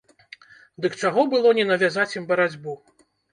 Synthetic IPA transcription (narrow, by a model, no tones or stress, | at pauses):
d̪ɨkt͡ʂaɣɔbɨlˠɔnʲɛnɐvʲazat͡sʲjimbɐɾad͡zʲbu